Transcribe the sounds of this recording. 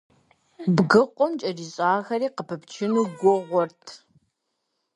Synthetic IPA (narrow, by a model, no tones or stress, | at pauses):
bɡɨqʷʼɔmt͡ʃʼɐdiɕʼaːxɐɾiːqəpʰɐpt͡ʃʰɪnuːɡʷʊʁʷɔrtʰ